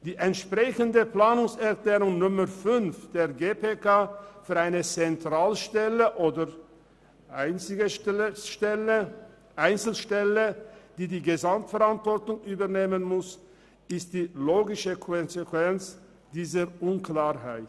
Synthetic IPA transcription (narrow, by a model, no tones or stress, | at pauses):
d̥iːʔɛntʃpʁ̥ɛçəndəplaːnʊŋsɛɐkleːʁʊŋnʊməʁfʏnfd̥eːɐɡeːpeːkʰaːfyːɐaɪnət͡sɛntʁ̥aːlʃtɛləʔoːdəʁ | ʔaɪnɪɡə | ɛə | ʔaɪnt͡sl̩ʃtɛləd̥iːdiːɡəzamtfɛʁantv̥ɔɐtʊŋʔyːbɐʁneːmənmʊs | ɪst̚d̥iːloːɡɪʃəkʰɔnzekvɛnt͡s | d̥iːzəʔʊnklaːɐɦaɪt